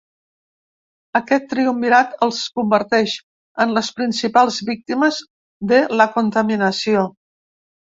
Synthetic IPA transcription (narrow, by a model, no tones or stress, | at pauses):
əkɛt̪ːɾiumbiɾat̪əlˠskumbəɾt̪ɛʃ | ənləspɾinsipalˠzβik̚t̪iməz | ðələkunt̪əminəsio